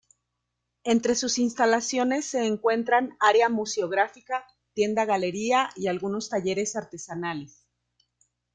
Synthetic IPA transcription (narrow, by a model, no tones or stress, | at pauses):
e̞nt̪ɾe̞susinst̪alasjo̞ne̞sːe̞ːŋkwe̞nt̪ɾanaɾjamuseoɣɾafika | t̪je̞nd̪aɣale̞ɾiaialɣuno̞st̪aʝe̞ɾe̞saɾt̪e̞sanales